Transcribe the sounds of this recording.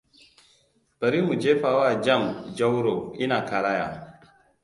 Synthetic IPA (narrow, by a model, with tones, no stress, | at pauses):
b̥ə˨ɾi˦mu˨d͡ʒe˦fa˨wa˦˨d͡ʒa˦˨md͡ʒa˦wɾo˨i˦na˨ka˨ɾa˦ja̰˨